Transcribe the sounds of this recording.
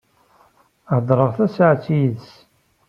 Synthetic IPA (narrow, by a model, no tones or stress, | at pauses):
ʕd̪ˤɾˤəʁθæsəʕt͡sːijðs